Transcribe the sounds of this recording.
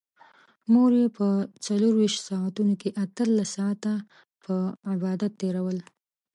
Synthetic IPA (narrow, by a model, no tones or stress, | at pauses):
moɾepət͡saloɾwiʃt̪sɑat̪unokeʔat̪əlːasːɑat̪a | pʰəɪbɑd̪at̪ːeɾawəl